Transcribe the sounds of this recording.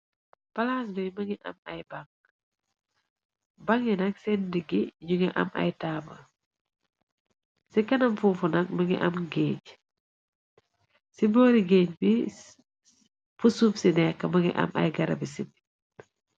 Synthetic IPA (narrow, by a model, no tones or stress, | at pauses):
pɐlaːs̬bɛjmɐŋɡiʔɐ̰mɐ̰jbaŋ | bɐŋinɐksɛndiɡiɲuŋiʔɐ̰mʔɐ̰jtaːmɐ̰ | sikɐnɐmfufunɐk̚mɐŋɡḭʔɐmɡeːc | sibɔːɾiɡeːɲbi | fusupsinɛkːɐmɐŋɡḭʔɐ̰mɐ̰jɡɐɾɐ̰bisib